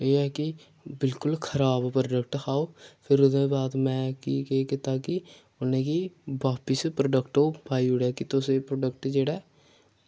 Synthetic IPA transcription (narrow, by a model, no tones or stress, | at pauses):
eːɛːki | bɪlkʊlkʰəɾaːbpɾoɖək̚ʈkaːoːpʰɪɾʊd̪ẽbaːd̪mɛ̃ːkikeːkɪt̪aːki | ʊnẽːkibaːpɪspɾoːɖəkʈoːbʱaːiʊɽɛːkit̪oseːpɾoːɖək̚ʈd͡ʒeːɽɛː